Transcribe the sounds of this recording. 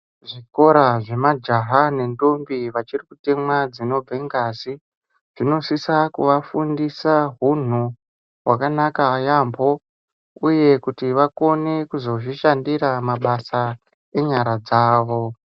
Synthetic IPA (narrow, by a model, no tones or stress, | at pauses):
ʐiko̞ɾaʐe̞mad͡ʒaɦane̞ndombiʋat͡ʃirikute̞mwad͡zino̞b͡veŋɡasi | ʐ̥ino̞sisakṵʋafundisaɦun̤u | wakanakaːjambo̞ | uje̞kutiʋako̞nekuzo̞ʐiʃandiɾamaɓasa | e̞ɲaɾad͡zaːʋo̞